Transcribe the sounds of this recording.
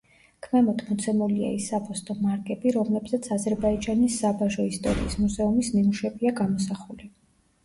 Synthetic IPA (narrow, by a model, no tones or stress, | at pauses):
kʰmɛmɔt̪ʰmɔt̪sʰɛmulia̰isːapʰɔst̪ʼɔmaɾɡʼɛbiɾɔmlɛbzat̪sʰazɛɾbaid͡ʒanisːabaʒɔist̪ʼɔ̰ɾḭːsmuzɛumisnimuʃɛbiaɡamɔsaχuli